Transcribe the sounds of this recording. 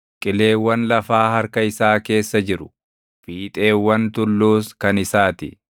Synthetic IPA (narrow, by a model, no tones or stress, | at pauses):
kʼɪle̞ːwːɐnlɐfaːhɐɾkɐɪsaːke̞ːsːɐd͡ʒɪɾʊ̥ | fiːt̪ʼe̞ːwːɐnt̪ʊlːuːskɐnɪsaːt̪ɪ